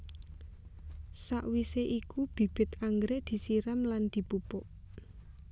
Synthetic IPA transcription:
saʔwiseʔikub̥i̤b̥ɪ̤t̪aŋɡɾeʔd̪̥i̤siɾamland̪̥i̤pupʊʔ

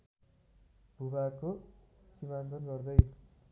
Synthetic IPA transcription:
bʱubakosiβant̪ʌnɡʌrd̪ʌj

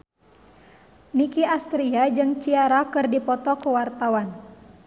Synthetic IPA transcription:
nikiast̪ɾiad͡ʒɨŋt͡ʃiaɾakɨrdipɔt̪ɔkəwart̪awan

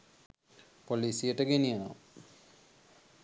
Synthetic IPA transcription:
poliːsijəʈəɡenijano

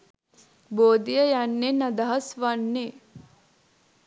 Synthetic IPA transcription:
boːd̪ijəjanːenɐd̪ɐɦɐsʋanːe

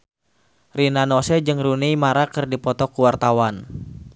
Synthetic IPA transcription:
rinanosɛd͡ʒɨŋrunejmaɾakɨrdipɔt̪ɔkuwart̪awan

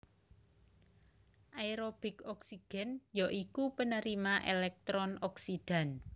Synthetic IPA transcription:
ʔaiɾob̥i̤kɔksiɡ̥ɛ̤njoʔikupənəɾimaʔelɛk̚t̪ɾɔnɔksid̥a̤n

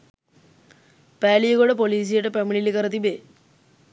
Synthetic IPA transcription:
pæːlijəɡoɽəpoliːs̬ijəʈəpæmiɭilikəɾət̪ibe

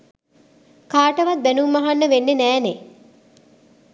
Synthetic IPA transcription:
kaːʈəʋat̪̚bænumːaɦanːəʋenːenæːne

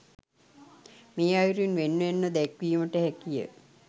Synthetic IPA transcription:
meːajɾuinʋenːuenːəd̪ɛkʋijuməʈəɦɛkijə̰

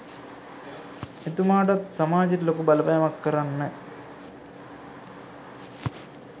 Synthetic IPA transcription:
et̪umaːʈat̪samaːd͡ʒitilokubaləpajamakːəɾanːə

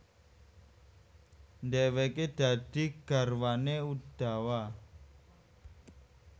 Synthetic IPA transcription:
nd̪ɛwɛked̪̥ä̤d̪̥i̤ɡ̥a̤rwaneud̪̥a̤wa

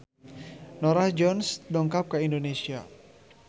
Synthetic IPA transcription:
nɔɾahd͡ʒɔnsdɔŋkap̚kəindonesia

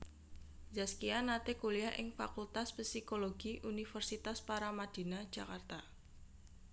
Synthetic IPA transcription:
zaskianat̪ekuliaʔɪ̰ŋfa̰kult̪aspisikoloɡ̥iʔunifərsit̪aspaɾamad̥i̤nḁd͡ʒ̥a̤kart̪a

